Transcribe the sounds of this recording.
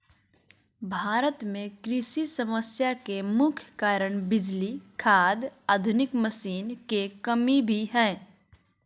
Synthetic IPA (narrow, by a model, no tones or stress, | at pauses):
bʱaːɾət̪mẽkɾɪsisəməsjakemʊkʰjkaːɾəɽ̃bɪd͡ʒlikʰaːd̪aːd̪ʱʊnɪkməsiːnkekəmibʱiɦɛ̃ː